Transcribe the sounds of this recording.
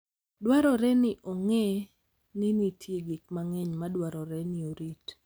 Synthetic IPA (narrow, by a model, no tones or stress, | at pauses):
dwaɾɔɾɛnɪʔoŋɛ | nɪnitʰjeɡɪk̚maŋɛɲmadwaɾɔɾɛnɪoɾit